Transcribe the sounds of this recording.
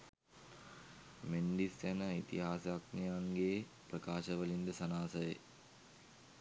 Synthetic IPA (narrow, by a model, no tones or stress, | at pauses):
menɖisjænəit̪iɦaːsak̚nijaŋɡeː | prəkaːʃəʋəlind̪əsɐnaːsəjḛ